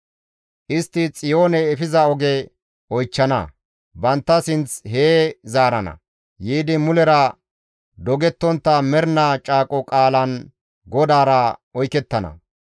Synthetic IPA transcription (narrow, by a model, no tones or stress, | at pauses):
ʔɪst̪ːɪt͡sʼɪjo̞ːnɛːfɪzɐɔɡɛ | ɔjt͡ʃːɐnɐ̰ | bɐnt̪ːɐsɪnt͡sɦeːzaːɾɐnɐ̰ | jiːd̪ɪmʊlɛɾɐ | d̪ɔɡɛt̪ːɔnt̪ːɐmɛɾnat͡ʃʼaːkʼɔkʼaːlɐn | ɡɔd̪aːɾɐɔjkɛt̪ːɐnɐ̰